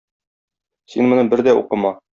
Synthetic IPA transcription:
sinmŏnɤbɘɾd̪æṵqɤ̆mɑ

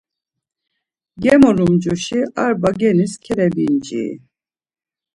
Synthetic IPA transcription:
ɡɛmɔlumd͡ʒuʃiaɾbaɡɛniskʰɛɾɛbind͡ʒḭ

